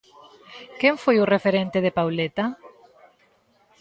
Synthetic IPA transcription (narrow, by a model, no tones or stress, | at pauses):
keŋfojʊrefeɾent̪eðepawlet̪a